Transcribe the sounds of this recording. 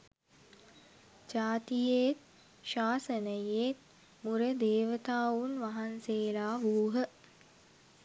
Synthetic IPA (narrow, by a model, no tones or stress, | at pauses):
d͡ʒaːt̪ijet̪̚ | ʃaːsənəjeːt̪̚ | muɾəd̪eːʋət̪aːʋunʋaɦanseːlaːʋuːɦə